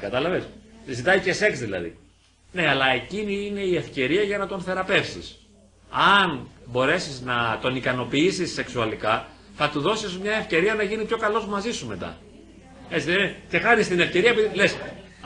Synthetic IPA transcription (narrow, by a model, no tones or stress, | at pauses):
kɐt̪ɐlɐveszit̪ɐicese̞ksðilɐ̰ðḭ | ne̞ɐlɐe̞ciniine̞ie̞fce̞ɾiɐʝɐnɐt̪o̞nθe̞ɾɐpe̞fsḭs | ɐnbo̞ɾe̞siznɐt̪o̞nikɐno̞piisisːe̞ksuɐlikɐ | θɐt̪uðo̞sizmɲɐe̞fce̞ɾiɐnɐʝinipço̞kɐlo̞zmɐzisume̞t̪ɐ̰ | e̞t͡siðeiece̞xɐnist̪ine̞fce̞ɾiɐepiðiles